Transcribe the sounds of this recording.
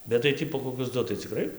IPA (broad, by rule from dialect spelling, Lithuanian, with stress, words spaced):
bʲɛt tɐɪ ˈtʲiː poː koːˈkʲʊs ˈdʊ tɐɪ t͡sʲɪkˈrɐɪ